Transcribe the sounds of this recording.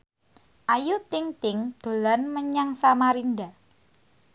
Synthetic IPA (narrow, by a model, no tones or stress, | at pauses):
ʔajut̪ɪŋt̪ɪŋd̪̥o̤lanməɲaŋsamaɾinda